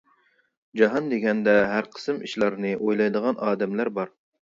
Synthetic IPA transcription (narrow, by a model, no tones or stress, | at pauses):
d͡ʒɑɦɑnd̪eɡʲɛnd̪ɛɦæɾqʰə̥sɨmiʃlˠɑɾnɨʔojlˠɑjd̪əʁɑnʔɑːd̪ɛmlæɾbɑɾ